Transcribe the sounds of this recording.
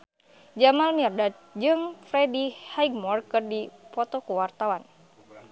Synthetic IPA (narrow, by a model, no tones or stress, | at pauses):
d͡ʒamalmirdat̪̚d͡ʒɨŋfɾɛdihajɡ̚mɔrkɨrdipɔt̪ɔkuwart̪awan